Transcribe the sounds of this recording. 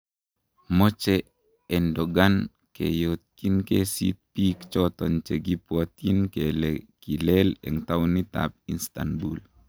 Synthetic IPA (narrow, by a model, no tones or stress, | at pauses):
mɔt͡ʃɛ | ɛndɔɡan | kḛjot̪̚kinkesḭt̪̚pikt͡ʃɔt̪ɔnt͡ʃeɡipwɔt̪inkelɛkilɛlɛ̰ŋt̪awnit̪a̰p̚inst̪a̰nbṵl